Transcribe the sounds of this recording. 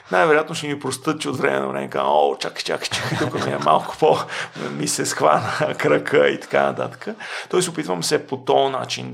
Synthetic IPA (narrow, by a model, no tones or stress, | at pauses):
najvɛɾojat̪noʃɛmipɾost̪ɤt̪̚t͡ʃot̪vɾɛmɛ̰no̰vɾɛ̰mɛka̰ot͡ʃakt͡ʃa̰kt͡ʃakd̪ukət̪miɛma̰lˠkʊ̥pomisɛsxva̰nəkɾəkʰəḭt̪ɐ̥ka̰nɐ̰t̪a̰t̪ə̥kət̪ɔjsopit̪vəmsɛpot̪ɔnat͡ʃin